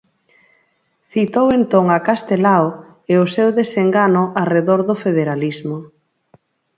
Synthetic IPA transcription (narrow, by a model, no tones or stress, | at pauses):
θit̪owent̪oŋakast̪elaw | eosewðeseŋɡanʊʔareðoɾðʊfeðeɾalizmo